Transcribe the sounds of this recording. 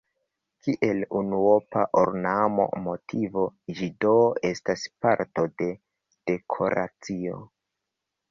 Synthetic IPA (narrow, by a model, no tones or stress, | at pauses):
kiʔe̞lunuopaʔoɾnamo̞̰mo̞tʰivo̞ʒidoe̞staspaɾto̞de̞ | d̥e̞kʰo̞̰ɾa̰t͡sio̞